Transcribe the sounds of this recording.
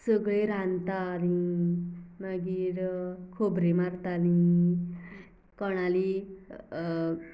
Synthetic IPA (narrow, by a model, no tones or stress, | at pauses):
səɡɭeɾãnt̪aːɾi | maɡiːɾkʰobɾemaɾt̪ani | kəɽ̃ali